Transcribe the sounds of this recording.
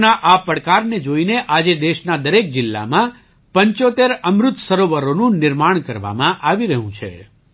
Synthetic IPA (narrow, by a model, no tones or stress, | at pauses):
naʔapəɽkaɾned͡ʒoineʔad͡ʒed̪eʃnad̪əɾek̚d͡ʒɪlːa̰mã | pəɲt͡ʃot̪eɾəmɾʊt̪səɾoʋəɾonũnɪɾmaɳ̃kəɾʋa̰mãʔaʋiɾəɦũt͡ʃʰḛ